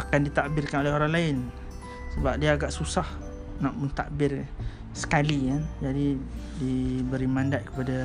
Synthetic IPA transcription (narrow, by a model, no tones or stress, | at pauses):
akandit̪aʔbɪrkanolɛɦoɾaŋlaɪn | səbap̚diaːɡaʔsusah | naʔmənt̪a̰ʔbɪr | sə̥kalikand͡ʒadi | dibəɾimãndat̪̚kə̥pada